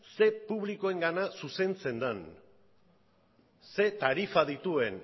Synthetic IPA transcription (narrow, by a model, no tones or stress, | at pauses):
se̞puβ̞liko̞e̞ŋɡanasuse̞nt͡se̞nd̪an | se̞t̪aɾifaðit̪ue̞n